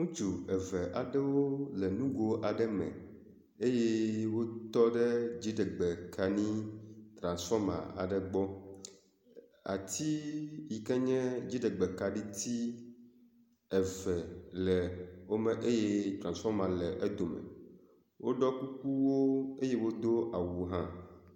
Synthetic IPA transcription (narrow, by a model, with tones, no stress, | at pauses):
ŋũ˦t͡ʃu˨ɛ˨vɛ˨ʔa˨ɖɛ˦wo˦lɛ˨nũ˦ɡo˦ʔa˨ɖɛ˦mɛ̰̃˨ | e˦jɛ˦wo˦t̪ɔ˦ɖɛ˦d͡ʑi˦ɖɛ˨ɡ͡bɛ˨kʰa˨nĩ˦t̪ɾã˨nsfɔ˦mã̰˨a̰˨ɖɛ˨ɡ͡bɔ˦ | a̰˨t̪i˦ji˨kɛ˦ɲɛ̃˦d͡ʑi˦ɖɛ˨ɡ͡bɛ˨ka˨ɖi˦t̪i˦ | ɛ˨vɛ˨lɛ˨wo˦mɛ̃˨ʔe˦je˦t̪ɾã˨nsfɔ˦ɾmã˨lɛ˨ʔe˦d̪o˨mɛ̰̃˨ | wʔo˦ɖɔ˦ku˦ku˦wo˦e˦je˦wo˦d̪o˦ʔa˨wu˨ɦã˦